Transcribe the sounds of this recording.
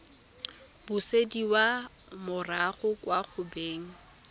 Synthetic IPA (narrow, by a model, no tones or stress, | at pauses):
b̥ʊsediwa | mʊraχʊkwaχʊbeːŋ̩